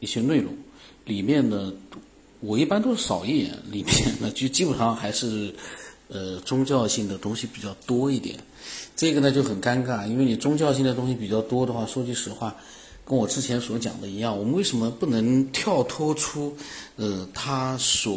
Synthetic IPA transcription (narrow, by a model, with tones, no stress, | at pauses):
i˥˩ɕjɛ˥nwe˥˩ɪlʊ̰˥˩ŋ | li˨˩mjɛ˥˩nnə˩ | wɔ˨˩i˥˩pa˥nt̪o˥ʊʂɻ̩˥˩ʂɑ˨˩ʊi˥˩t̪jɛ̰˨˧˥nli˨˩mjɛ˥˩nːə˨˩t͡ɕi˥˩˧t͡ɕi˥pu˨˩ʂɑ˥˩ŋxa˧˥ɪʂɻ̩˥˩ | ə˧ʈ͡ʂʊ˥ŋt͡ɕjɑ˥˧ʊɕi˥˩ŋd̪ə˩t̪ʊ˥ŋɕi˨pi˨˩t͡ɕjɑ˥˩ʊt̪wɔ˥i˥˩t̪jɛ̰˨˩˦n | ʈ͡ʂɤ˥˩ɡə˩nə˨˩t͡ɕjo˥˩ʊxə˨˩nka˥nka˥˩i˥nwe˥˩ɪni˨˩ʈ͡ʂʊ˥ŋt͡ɕjɑ˥˧ɕ̬i˥˩ŋd̪ə˩t̪̬ʊ˥ŋɕi˧˩pi˨˩t͡ɕjɑ˥˩ʊt̪wɔ˥d̪ə˨xwa˥˩ʂwɔ˥t͡ɕi˥˩ʂɻ̩˧˥˧xwa˥˩ | kə˥nwɔ˨˩ʈ͡ʂɻ̩˥t͡ɕʰjɛ˧˥nswɔ˧˥t͡ɕjɑ̰˨˩ŋd̪ə˦i˧˥jɑ˥˩ŋwɔ˨˩mə˦nwe˥˩ɪʂə˧˥nmə˧pu˥˩nɤ˧˥ŋt̪ʰjɑ˥˩ʊt̪ʰwɔ˥ʈ͡ʂʰu˥ə˧t̪ʰa˥swɔ˨˩